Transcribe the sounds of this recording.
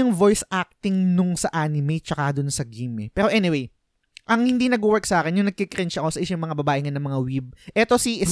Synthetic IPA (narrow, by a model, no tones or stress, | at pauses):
ʊŋvo̞jsʔak̚t̪ɪŋnʊŋsɐʔaːnɪmet͡ʃɐkad̪ʊnsɐɡimɛpɛːɾo̞ʔɛnɪwej | ʔɐŋhɪnd̪inɐɡ̚uwɛɹksɐʔaːkɛnjʊŋnɐɡ̚kɪkɾɛnt͡ʃʔɐko̞sɐʔɪʃʊŋmɐŋabɐbaːʔɪŋanɐŋmɐŋawib̚ʔɛt̪o̞siʔɪ